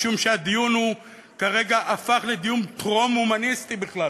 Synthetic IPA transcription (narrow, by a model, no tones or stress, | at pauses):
ʃumʃead̪ijunhu | kaʁe̞ɡaʔafaχled̪ijunpʁomumanist̪ibiχla